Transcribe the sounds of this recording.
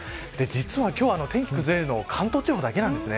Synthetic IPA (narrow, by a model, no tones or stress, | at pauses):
d̪̥e̞d͡ʑit͡sɨβakʲo̞ːano̞t̪ẽ̞ŋkʲi̥kɯ̟zɨɾe̞ɾɯ̟no̞ːkʰãnt̪o̞ːt͡ɕibod̪ake̞nãnd̪e̞sɨne